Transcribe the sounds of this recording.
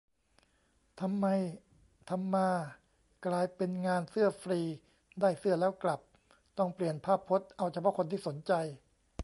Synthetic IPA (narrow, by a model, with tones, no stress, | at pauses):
t̪ʰa˧mːa˧j | t̪ʰa˧mːaː˧ | klaː˧jpe˧nŋaː˧nsɯ˥˩ɐfɾiː˧ | daː˥˩jsɯ˥˩ɐlɛː˦˥wkla˨˩p̚ | t̪ɔ˥˩ŋpli˨˩ənpʰaː˥˩pʰːo˦˥t̪̚ʔa˧wt͡ɕʰa˧pʰɔ˦˥kʰo˧nt̪ʰiː˥˩so˩˦nt͡ɕa˧j